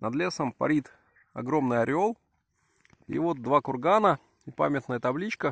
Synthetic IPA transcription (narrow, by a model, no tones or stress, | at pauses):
nɐd̪lʲesəmpɐ̰ɾʲit̪ | ɐ̰ɡɾo̞mnɨjɐɾʲɪolˠ | ḭvo̞t̪̚d̪vakʊrɡanə | ɪpa̰mʲɪt̪nəjət̪ɐblʲit͡ɕkə